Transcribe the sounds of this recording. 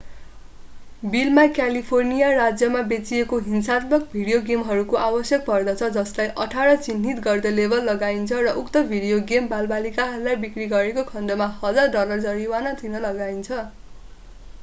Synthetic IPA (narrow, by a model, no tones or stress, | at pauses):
bilmakjalipʰornijarad͡zjʌmabet͡siekoɦinsat̪bʌk̚bʱiɽijoɡemɦʌɾukoʔabʌsjʌk̚bʌrd̪ʌt͡sʰʌd͡zʌslajʔʌʈʰaɾʌt͡sinːit̪ɡʌrd̪ʌlebʱʌlːʌɡaint͡sʰʌrʌʔukt̪ʌbʱiɽijoɡembalbalikaɦʌɾulajbikriɡʌɾekokʰʌnd̪ʌmahʌd͡zarɖʌlʌrd͡zʌɾiwanʌt̪ʰinʌlʌɡaint͡sʰʌ